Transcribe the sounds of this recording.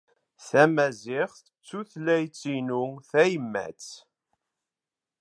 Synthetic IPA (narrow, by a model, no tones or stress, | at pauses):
θæmæzɪʁθət͡sːuθlæjt͡sːinuθæjəmːæ̰t͡s